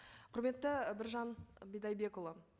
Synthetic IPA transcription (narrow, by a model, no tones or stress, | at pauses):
qʰʊɾme̞t̪ːɪbɪɾʒɑnbijd̪ɑjbe̞kolˠə